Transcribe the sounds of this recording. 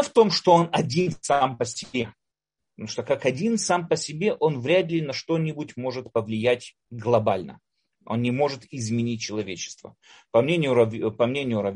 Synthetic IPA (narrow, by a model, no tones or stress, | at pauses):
ft̪o̞mʂt̪o̞onɐdʲinsampəsʲɪbʲe | ʂt̪okakɐdʲinsampəsʲɪbʲe̞ʔo̞nvɾʲæd̪lʲɪnɐʂt̪o̞nʲɪbʊtʲmo̞ʐɨt̪pəvlʲɪjætʲ | ɡlˠɐbalʲnə̰ | o̞̰nːʲɪmo̞ʐɨt̪ɪzmʲɪnʲit̚ʲt͡ɕːɪlˠɐvʲet͡ɕɪ̥st̪və̰pɐmnʲenʲɪjʊɾvpɐmnʲenʲɪjʊɾɐv